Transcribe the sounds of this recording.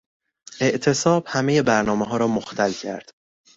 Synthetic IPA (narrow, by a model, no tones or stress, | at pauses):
ʔe̞ʔt̪ʰe̞sɒːb̥hæme̞je̞bæɾnɒːmeɦɒːɾɒːmoxt̪ʰælcʰæ̰ɾd̪̥